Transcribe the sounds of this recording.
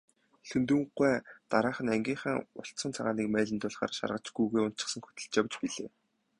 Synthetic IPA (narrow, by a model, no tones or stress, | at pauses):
ɬɵnt̪uŋɢæːt̪aɾaːχə̆næŋɡʲiːɴχəːŋʊɬt̪sə̆nt͡sʰaʁaːniːkmæːɮɘ̆nt̪ʊːɮχa̰ːrʃa̰rʁə̆t͡ɕɡ̥ujɣujʊnt̪t͡ɕɪ̆sə̆ŋxɵ̥t̪ɘ̆ɮt͡ɕjawt͡ɕpiɮeː